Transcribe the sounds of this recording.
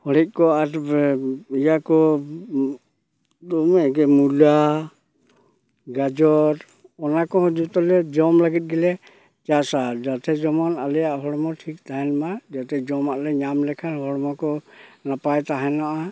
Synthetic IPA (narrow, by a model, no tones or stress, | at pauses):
hɔɽɛc̪̚ˀkɔaɾ | ijakɔ | d̪ɔmɛɡɛmula | ɡad͡ʒɔɾ | ɔnakɔhɔd͡ʒut̪ɔlɛd͡ʒɔmlaɡɛt̪̚ˀɡɛlɛ | t͡ʃasad͡ʒat̪ɛd͡ʒɔmɔnalɛjaʔɦɔɽmɔʈʰik̚t̪aɦɛnmad͡ʒat̪ɛd͡ʒɔmaʔlɛɲamlɛkʰanhɔɽɔmɔkɔnapajt̪aɦɛnaʔa